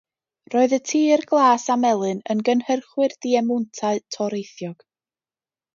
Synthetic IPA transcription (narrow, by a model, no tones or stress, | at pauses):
roːɨðətʰiːrɡlˠaːsamɛlˠɨnənɡənhərχwɨrd̥iɛmʊntʰaɨtʰɔɾejθjɔɡ̥